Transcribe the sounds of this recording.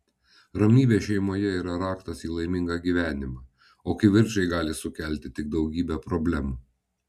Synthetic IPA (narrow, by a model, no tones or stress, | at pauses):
ɾɐmʲnʲiːʋʲeːʃʲɛɪmoːjɛiːɾɐɾɑːkt̪ɐsiːlˠɐɪmʲɪŋɡɑɡʲiːʋʲæːnʲɪmɑː | oːkʲɐɪʋʲɪɾʲt͡ʃɐɪɡɑːlʲɪsʊkʲæˑlʲt̪ʲɪt̪ʲɪɡ̚d̪ɒʊɡʲiːbʲɛpɾɔbʲlʲɛmuː